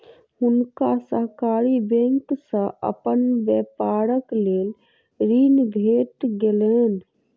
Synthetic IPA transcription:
ʊnkasəɦkaɾibẽŋksə̃ʔə̰pənbjɛpaɾəkleːl | ɾinbʱeʈɡelen

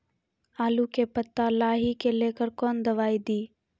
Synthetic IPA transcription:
aːlukepət̪ːalaːɦikeleːkəɾkɔːnd̪ɐʋaːid̪iː

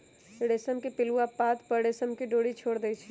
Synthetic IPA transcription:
ɽeːsəmkepɪluapaːt̪pəɽeːsəmkeɖoːɽit͡ʃʰoːɽd̪ɛt͡ʃʰɛ

